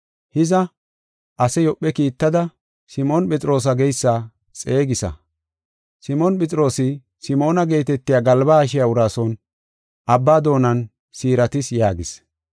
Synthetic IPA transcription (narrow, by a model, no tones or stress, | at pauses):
hɪzɐ | ʔɐsɛjɔpʼːɛkiːt̪ːɐd̪ɐ | sɪmɔnpɛt͡sʼɪɾo̞ːs̬ɐɡɛjsːaː | t͡sʼe̞ːɡɪsɐ̰ | sɪmɔnpɛt͡sʼɾo̞ːsɪ | sɪmo̞ːnɐɡe̞ːt̪ɛt̪ːɪjaːɡɐlbaːʃ̬ɪjaʊɾaːsɔn | ʔɐbːaːd̪o̞ːnɐn | siːɾɐt̪ɪsjaːɡɪs